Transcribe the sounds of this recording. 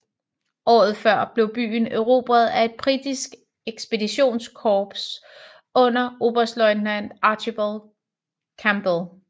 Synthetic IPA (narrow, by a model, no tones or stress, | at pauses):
ʔɒ̰ːð̞̩ˠfɶɐ̰b̥le̝ʊb̥y̰ːnøʊʁo̝b̥ʁɐð̞̩ˠæe̝d̥̚b̥ʁid̥isɡ̥ | eɡ̥sb̥e̝diɕo̝̰ːnskʰɒːb̥s | ɔ̽n̰ɐo̝b̥ɐsd̥lɒɪnæn̰d̥ɑ̈ɕʰib̥ol | kʰæmb̥lˠ